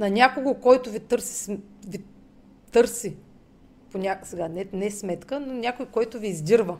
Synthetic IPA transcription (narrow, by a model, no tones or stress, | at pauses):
nɐnʲakoɡokɔjt̪ʊvit̪ɤɾsi̥svi | t̪ɤɾsi | ponʲaksɛɡanɛnɛsmɛt̪kənɐnʲakojkɔjt̪ʊviːzd̪ʲiɾvə